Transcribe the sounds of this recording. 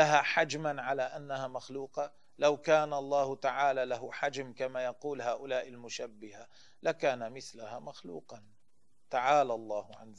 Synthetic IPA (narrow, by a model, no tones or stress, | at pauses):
laɦaħad͡ʒmanʕalaʔanːahamaxluːqɑ | lawkaːnalˤːɑːhʊt̪aʕaːlaːlaɦʊħad͡ʒmkamajɑquːlɦaːʔʊlaːʔɪlmʊʃabːɪha | lakaːnamɪθlahaːmaxlṵːqɑn | t̪aʕaːlalˤːɑːhʊʕa̰nz